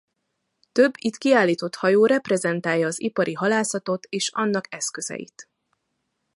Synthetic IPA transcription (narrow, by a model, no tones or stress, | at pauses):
t̪ø̞bːit̪kiaːlːiːt̪o̞t̪hɒjoːɾɛprɛzɛnt̪aːjɒːzipɒɾʔiɦɒlaːsɒt̪o̞t̪eːʃɒnːɒkɛskø̞zɛ̰jḭt̪